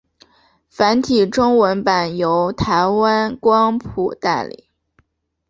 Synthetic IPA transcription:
fa˧˥nt̪ʰi˨˩ʈ͡ʂʊ˥ŋwə˧˥npa˨˩njo˧˥ʊt̪ʰa˧˥ɪwa˥nkwɑ˥ŋpʰu˨˩t̪a˥˩ɪlḭ˨˩˦

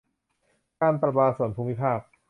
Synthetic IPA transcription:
kaː˧npɾa˧˩baː˧su˨˩˦ənpʰuː˧mːi˦˥pʰaː˥˩p̚

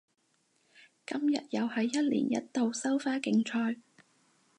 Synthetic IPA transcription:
kɐ˥mjɐ̰˨t̚jɐ˨whɐ˨jːɐ˥t̚lḭː˨˩njɐ̰˥t̚t̪o˨wsɐ˥wfaː˥kɪ˧ŋt͡ʃʰɔː˧j

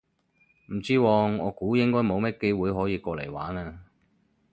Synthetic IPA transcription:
m̩˨˩t͡siː˥wɔː˧ŋɔː˨˧kuː˨˥jɪ˥ŋkɔː˥jmo˨˧wmɛː˥ke˥jwuː˨˧jɦɔː˨˥jiː˧kɔː˧le˨˩jwa̰ː˨˥naː˧

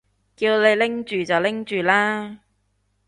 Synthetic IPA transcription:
kiː˧wle˨˧jlɪ˥ŋt͡ʃyː˨t͡sɐ˨wlɪ˥ŋt͡ʃyː˨laː˥

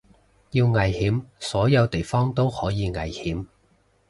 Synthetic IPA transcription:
jiː˧wŋɐ˨˩jhiː˨˥msɔː˨˥jɐ˨˧wt̪e˨˩jfɔː˥ŋt̪o˥whɔː˨˥jiː˨˧ŋɐ̰˨jhiː˨˥m

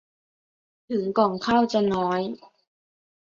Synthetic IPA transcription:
t̪ʰɯ˩˦ŋkɔː˨˩ŋkʰaː˥˩wt͡ɕa˧nɔː˦˥j

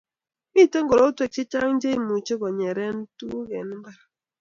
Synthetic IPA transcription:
mi˦˨te˦ŋ̩˦ɡo˨ɾo˦tu˦e˨k̚t͡ʃi˦t͡ʃa˦ŋ̩˦d͡ʒe˦mu˨t͡ʃo˦ko˨ɲe˨ɾe˦n̩˦tu˦ɣe˨n˦m̩˦ba˦ɾa˨

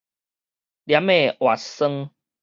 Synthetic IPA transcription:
lja˧˦mẽ˦˨ʔwa˨˩sə˦ŋ

